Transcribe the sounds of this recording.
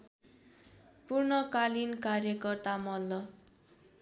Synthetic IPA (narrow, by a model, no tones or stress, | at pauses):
purnʌkalinkarjʌkʌrt̪amʌlːʌ